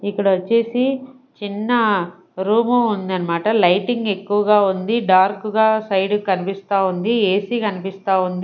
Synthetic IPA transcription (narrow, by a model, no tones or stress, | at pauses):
ikːɐɽɐʋot͡ʃːeːsi | t͡ʃinːɐ | ɾuːmuund̪ɐnːɐmaːʈɐlɐjʈiŋɡekːuʋɐɡaːund̪iɖaːɾkuɡaːsɐjɖukɐnipist̪aːund̪ieːsiːkɐnipist̪aːund̪i